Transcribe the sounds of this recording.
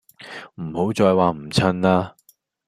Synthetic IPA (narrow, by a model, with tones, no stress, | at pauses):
m̩˨˩ho˨˥wt͡sɔː˧jwaː˨m̩˨˩t͡sʰɐ˥nlaː˥